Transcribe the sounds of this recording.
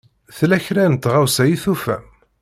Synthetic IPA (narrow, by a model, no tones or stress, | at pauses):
θlæçɾænt̪ʁawsæjiθufæ̰m